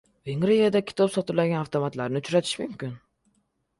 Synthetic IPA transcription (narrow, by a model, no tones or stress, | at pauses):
veŋɾejad̪akʲʰɪ̥t̪ʰɒpsɒt̪ʰɪɾlaɡʲanaft̪ʰomat̪laɾnɪʊt͡ʃɾat̪ʰɪ̥ʃmʊmkʲɪn